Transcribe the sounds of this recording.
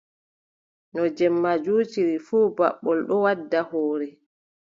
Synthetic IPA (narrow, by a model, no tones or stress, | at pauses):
nɔd͡ʒɛmːad͡ʒuːt͡ʃiɾifuːbaɓːɔlɗɔwadːahoːɾɛ